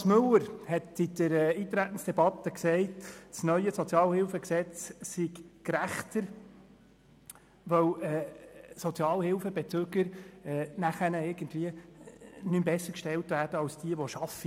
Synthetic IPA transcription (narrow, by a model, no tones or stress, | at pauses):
smɵləɾhɛtɪd̪̥əɾɛːiːt̪ɾætən̩sd̥ɛbɑt̪ːəksɛɪtsnœʏəsot͡sjɑːlhɪlfəksɛt͡ssiɡkɾæχt̪əɾ | ʋœwɛsot͡sjɑːlhɪlfəbet͡søɡəɾɛnæχænəɪɾɡ̥əndviə | nymbɛsːəɾkʃtɛltvæːɾd̥əɑwsd̥iəʋɔʃɑfi